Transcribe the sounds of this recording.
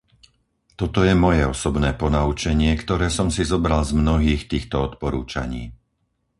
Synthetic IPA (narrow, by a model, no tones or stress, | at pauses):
t̪ɔt̪ɔjɛmɔjɛɔsɔbnɛːpɔnaut͡ʃɛɲɪɛkt̪ɔɾɛːsɔmsizɔbɾalzmnɔɦiːxt̪iːxt̪ɔɔt̪pɔɾṵːt͡ʃa̰ɲiː